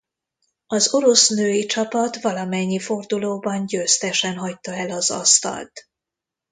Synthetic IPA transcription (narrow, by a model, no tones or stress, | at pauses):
ɒzo̞ɾo̞snøːjit͡ʃɒpɒt̪ʋɒlɒmɛɲːifo̞rd̪uloːbɒnɟøːst̪ɛʃɛnɦɒc̚t̪ːɒɛlɒzɒ̰st̪ɒ̰lt̪